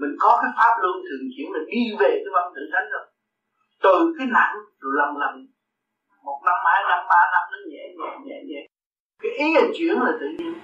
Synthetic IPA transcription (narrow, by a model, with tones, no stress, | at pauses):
mï˨˩ŋ̟kɔ˨˦kaː˨˦jfaː˦˥p̚lu˧ənt̪ʰɨ˨˩əŋt͡ɕḭ˧˩˥əŋla˨˩ɗi˧ve˨˩ka˨˦va˧nt̪ɨ̰˧˨t͡ɕa˨˦jŋ̟zə˨˩ | t̪ɨ˨˩kaː˨˦jna̰˧˨ŋɗo˨˩la˨˩mla˨˩m | mo˨˩t̚na˧mhaː˧jna˧mɓaː˧na˦˥mzə˨˦ɲɛ̰˧˥ɲɛ̰˧˩˦ɲɛ̰˧˩ɲɛ̰˧˩˦ | kaː˨˦jʔi˨˦ʔa˨˩ŋt͡ɕwḭ˧˥˨əŋlaː˨˩t̪ɨ̰˧˨ɲi˧əŋ